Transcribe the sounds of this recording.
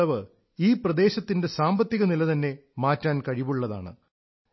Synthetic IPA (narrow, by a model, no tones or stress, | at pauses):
ɐʋɨ | iːprɐd̪e̞ːɕɐt̪ːinde̞saːmbɐt̪ːiɣɐnilɐt̪ɐnːe̞maːtːaːnkɐɻiʋuɭːɐða̰ːɳɨ̰